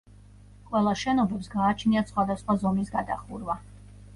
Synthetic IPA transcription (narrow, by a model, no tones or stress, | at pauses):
qʼwɛlˠaʃɛnɔbɛpsɡaːt͡ʃʰniasχwad̪asχwazɔmisɡad̪a̰χuɾva